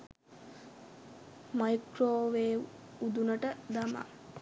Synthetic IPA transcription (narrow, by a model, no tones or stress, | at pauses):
majkɾoːʋeːud̪unəʈəd̪ama̰